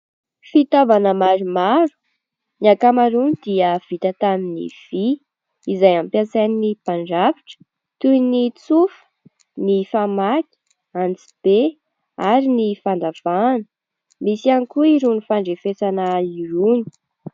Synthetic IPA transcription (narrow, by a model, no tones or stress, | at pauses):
fit̪avanəmaɾimaɾu̥ | niakamaɾunid̪iəv̥it̪ət̪aminḭv̥i | izajampjat͡sajninipaɳɖ͡ʐaviʈ͡ʂə̥ | t̪ujnit͡sufə̥ | nifamakʲi̥ | ant͡si̥b̥e | aɾinifand̪av̥anə̥ | misianikuiɾunifaɳɖ͡ʐefesanaiɾuni̥